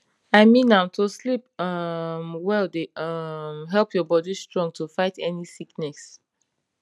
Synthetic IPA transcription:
aɪmĩnãtʰuslipʌmwɛldeʌmɦɛlpʰjɔbɔdistɹɔ̃ŋɡ̚tʰufaɪtʰɛnisiknɛs

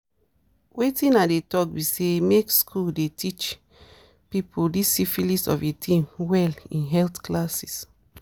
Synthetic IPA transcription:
wʔetĩnadetɔk̚bisemekskʰuldetʰit͡ʃ | pipʰoldisifilisɔ̰fetʰĩmwɛlĩnɦɛltklasi̥s

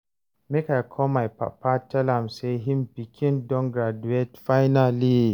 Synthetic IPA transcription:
mekajkʰɔmajpa̰pʰatʰɛlamseɦimbikʰĩndɔ̃nɡɾaduetfajnali

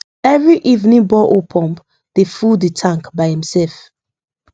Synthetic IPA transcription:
ɛvɹiʔivnĩŋbɔʔopʰɔ̃mp | d̥efulitʰãŋkbaɪhĩmsɛlf

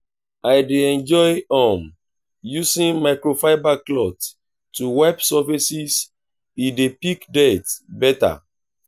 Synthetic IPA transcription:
ajdeɛ̃nd͡ʒɔjɔ̃m | jusĩnmaɪkɹofaɪbaklɔt | tːuwɛbsɔfisis | idepikdɛtbɛta̰

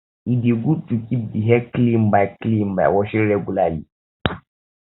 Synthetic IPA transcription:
ideɡutukidiɦɛklim̩baklimba̰wɔʃɛɾɛɡulali

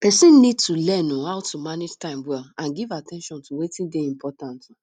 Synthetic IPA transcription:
pɛsĩnnid̚tulɛnũhaʊtumaned͡ʒtãɪ̃mwɛlãnɡivatʰɛ̃nʃɔ̃ntʰuwetĩndeĩmpʰɔtãntũ

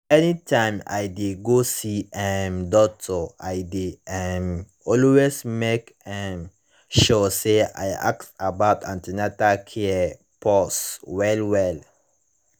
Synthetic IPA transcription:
ɛnitʰãɪma̰jdeɡosiɛmdɔk̚tʰɔaɪdeɛm | ɔlwesmekɛ̃m | ʃɔsea̰ja̰k̚tabaʊtãntinatakʰɛ | pʰɔswɛlwɛl

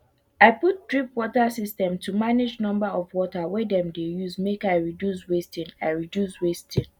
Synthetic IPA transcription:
aɪput̚dɹipwɔtasistɛ̃mtʰumaned͡ʒnɔ̃mbaɔvwɔtawɛdɛ̃mdejuzmekaɪɹidjus̬westĩnaɪɹidjuswestĩn

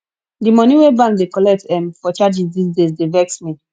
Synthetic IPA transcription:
dimɔ̃niwebãndekɔlɛk̚tɛ̃mfɔt͡ʃad͡ʒizdisdezdevɛksmi

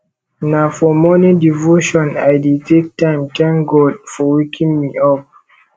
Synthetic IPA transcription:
nafɔmɔnidivoʃɔ̃na̰jditʰek̚tãɪ̃mtʰãŋɡɔdfɔwekʰĩŋmiɔp̚

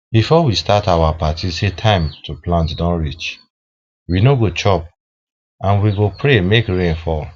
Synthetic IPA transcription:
bifɔwistatawapatisetʰãɪ̃mtʰuplãntdɔ̃nɹit͡ʃ | winoɡot͡ʃɔp̚ | ãnwiɡopɹemekɹẽnfɔ

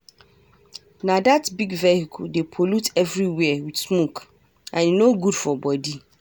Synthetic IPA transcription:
nãdatbiɡvɛhikʰdepʰɔlutʰɛvɹiwɛwidsmok | ãninoɡudfɔbɔdi

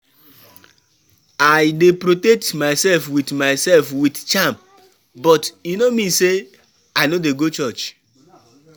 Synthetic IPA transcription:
ajdepɾotɛk̚tmajsɛlfwidmaɪsɛlfwidt͡ʃam | bɔtinomĩse | ajnodeɡot͡ʃɔt͡ʃ

